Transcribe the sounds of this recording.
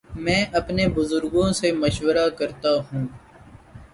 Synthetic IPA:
mɛ̃ːʔɐpnebʊzʊɾɡõːseməʃwəɾakəɾt̪aɦũː

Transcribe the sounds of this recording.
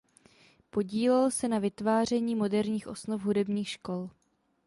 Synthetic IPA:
po̞ɟiːlɛlsɛnavɪt̪vaːr̝ɛɲiːmo̞dɛɾɲiːxʔo̞̰snovɦudɛbɲiːxʃko̞l

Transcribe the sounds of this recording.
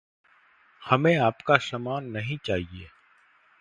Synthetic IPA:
hɐmẽaːpkasɐmaːnːɐɦĩt͡ʃaːɦieː

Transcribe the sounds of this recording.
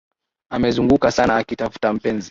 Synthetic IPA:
amɛzuŋɡukasanaːkitafu̥tam̩pɛnzi

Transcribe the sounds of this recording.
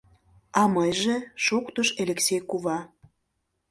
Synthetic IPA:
ɑməjʒeʃokt̪əʃelʲeksʲejkuβɑ

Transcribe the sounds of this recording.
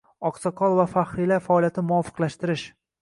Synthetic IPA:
ɒqsɒqʰɒlˠvafaχɾɪlafaɒːlijat̪ʰɪmʊɒfɨ̥qlaʃt̪ɪɾɪʃ

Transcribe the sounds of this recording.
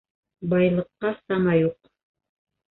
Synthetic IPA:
bɑjlˠɤ̆qːɑsɑmɑjuq

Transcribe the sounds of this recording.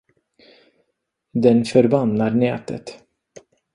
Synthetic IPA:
d̪ɛnfœɾbanːaɾnɛ̰ːt̪ə̰t̪

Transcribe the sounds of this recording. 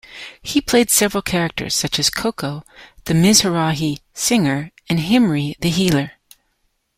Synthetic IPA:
hipʰl̥eɪd̥sɛvɹl̩ˠkʰɛɹɨk̚tʰə̰˞z̥sʌt͡ʃɨz̥kʰoʊkoʊðɨmɪz̥hə˞ɑɦisɪ̃ŋə˞ | ɨ̃nɦɪ̃mɹiðɨɦilˠə˞

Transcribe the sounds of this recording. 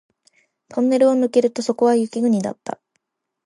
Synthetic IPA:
t̪ʰõ̞nːe̞ɾɯ̟o̞nɯ̟ke̞ɾɯ̟t̪o̞so̞ko̞βajɯ̟kʲiɡɯ̟ɲ̟id̪a̰t̪ːa̰

